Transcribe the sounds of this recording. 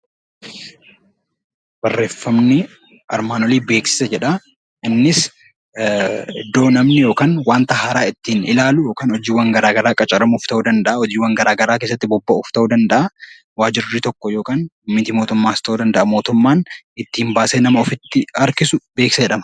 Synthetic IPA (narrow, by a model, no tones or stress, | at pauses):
bɐrːe̞ːfːɐmnɪ | ʔɐ̰ɾmaːnɔliːbe̞ːksɪ̥sɐd͡ʒɛᶑɐ | ʔɪnːɪs | d̪o̞ːnɐmnɪjo̞ːkaːnwaːnt̪ɐhɐɾaːɪt̪ːiːnɪlaːlʊjoːkaːnɔd͡ʒiːwɐŋɡɐɾaːɡɐɾaːkʼɐt͡ʃʼɐɾɐmʊft̪ɐʔuːd̪ɐnd̪ɐʔɐɔd͡ʒiːwːɐŋɡɐɾaːɡɐɾaːkes̬ːɐt̪ːɪbɔbːɐʊft̪ɐuːd̪ɐnd̪ɐʔɐ | waːd͡ʒɪɾːɪt̪ɔkːɔjo̞ːkaːnmɪt̪ɪmo̞ːt̪ʊmːaːɪst̪ɐʔuːd̪ɐnd̪ɐʔɐmo̞ːt̪ʊmːaːn | ɪt̪ːɪɪmbaːseːnɐmɐɔfɪt̪ːɪɐɾkɪsʊbe̞ːksɐd͡ʒɛᶑɐmɐ̥